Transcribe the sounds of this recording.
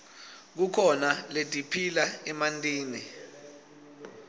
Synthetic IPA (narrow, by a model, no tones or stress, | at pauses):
k̬ukʰɔnaletʼipʰilaɛmantʼiːni